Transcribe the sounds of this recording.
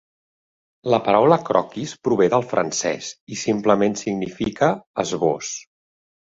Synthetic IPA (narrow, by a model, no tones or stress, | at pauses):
ləpəɾawləkɾɔ̰kispɾuβ̞eðəlˠfɾʔə̰nsɛ̰sisimpləmensiɡnifikəːzβos